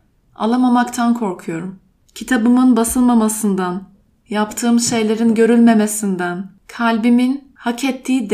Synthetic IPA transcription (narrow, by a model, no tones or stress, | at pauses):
a̰lˠamamakt̪ʰankʰo̞ɾkʰujo̞ɾum | cʰit̪ʰabɯmɯnbasɯlˠmamasɯnd̪an | japt̪ʰɯːmʃe̞jlʲe̞ɾinɟø̞ɾylʲme̞mesind̪æn | kʰalʲbimin | hacʰɛt̪ʰːiːd̪